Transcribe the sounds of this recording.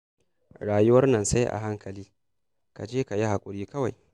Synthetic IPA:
ɽaː˨jʊ˦wɐ˦rnɐ˨nsa˦jʔa̰˨ɦa˦ŋkʰɐ˨liː˦ | ka˨d͡ʒeː˦ka˨ji˦ha˨kʷʼʊ˨ɽiː˦kɐ˦wa˨j

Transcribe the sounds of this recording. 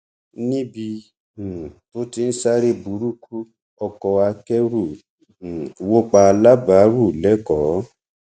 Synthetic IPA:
nĩ˦bĩ˧˨ | to˦ti˧n̩˦sa˦ɾe˦bu˨˦ɾu˦kʰu˦ | ɔ˧kɔ˧a˧kɛ˦ɾu˦˨ | wo˦k͡pa˧la˦ba˨˦ɾu˦˨lɛ˨˦kɔ˨˦

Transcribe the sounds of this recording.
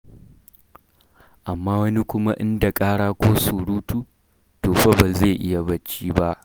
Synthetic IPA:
ʔa˨mːaː˦wɐ˦ni˦kʷʊ˦ma˦ʔɪ˦nda˨kʼaː˦ɽaː˦kʷoː˦suː˨ɽuː˦tuː˦ | toː˨ɸɐ˦bɐ˨ze˦˨ʔɪ˦ja˨bɐ˦t͡ʃːiː˦ba˦ʔ

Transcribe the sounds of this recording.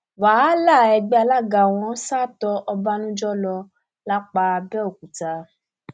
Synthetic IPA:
waː˨˦la˦˨ɛ˧ɡ͡bɛ˦a˧la˦ɡa˧˨w̃ɔ̃˧˦saː˦˨tɔ˧ʔɔ˧ba˦nũ˦d͡ʒɔ˦lɔ˧ | la˦k͡pa˧bɛ˦o˦˨k̚u˨ta˧˦

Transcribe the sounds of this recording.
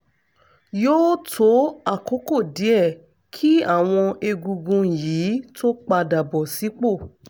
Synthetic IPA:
joː˦tʰo˦a˦˨ko˨˦ko˦˨di˨˦ɛ˦˨ | kʰi˦a˦˨w̃ɔ̃˧e˧ɡu˧ɡũ˧jiː˨˦to˦k͡pa˧da˨bɔ˨si˨˦k͡po˦˨

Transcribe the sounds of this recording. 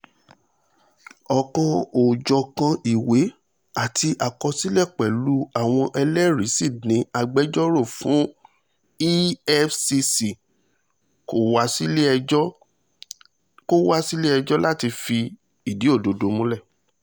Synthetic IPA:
ɔ˨kã˧o˨d͡ʒɔ˨kã˧i˨we˨˦ | a˦˨tʰi˧ʔa˨kɔ˧si˦lɛ˦˨k͡pɛ˨lu˨˦a˦˨w̃ɔ̃˧ʔɛ˧lɛ˦ɾi˨˦si˦˨nĩ˨˦a˧ɡ͡bɛ˦d͡ʒɔ˦ɾo˦˨fũ˨˦ | i˦ɛ˦fsi˧si˨ | ko˦a˦si˦˧ɔ˦ | ko˦wa˦si˦le˦ɛ˧d͡ʒɔ˦la˦˨ti˧fi˧ | i˨di˨˦o˦˨do˨do˧mũ˨˦lɛ˦˨

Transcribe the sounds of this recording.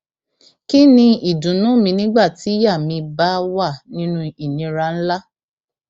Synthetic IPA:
ki˦nĩ˧i˨dũ˨nũ˨˦mĩ˧nĩ˦ɡ͡ba˦˨ti˨˦ja˦˨mĩ˧ba˦wa˦˨nĩ˦nũ˦i˨nĩ˧ɾa˧n̩˦la˦

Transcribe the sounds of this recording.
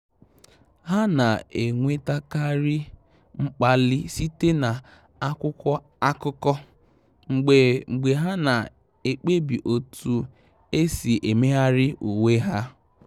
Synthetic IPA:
ɦa˦na˨e˨ŋʷe˦ta˦ka˦ɾɪ˦ | ŋ͡m̩˦k͡pa˦lɪ˦si˦te˦na˨ | a˦kʷʊ˦kɔ˦ | a˦kʊ˦kɔ˦ | ŋ͡m̩˨ɡ͡be˨ŋ͡m̩˨ɡ͡be˨ɦa˦na˨ | e˨k͡pe˦bi˨ʔo˨tu˨ | e˦si˨ʔe˨me˦a˦ɾɪ˦ʔu˨we˦ɦa˦

